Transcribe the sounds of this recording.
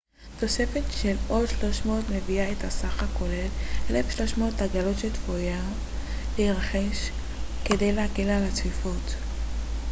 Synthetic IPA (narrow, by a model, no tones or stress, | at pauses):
to̞sefetʃe̞lo̞dʃlo̞ʃmo̞otme̞viaethasaχako̞le̞lʔelefʃlo̞ʃmo̞ːtaɡalo̞tʃelt̪foja | leiʁaχe̞ʃ | ke̞de̞jleakelalat͡sifot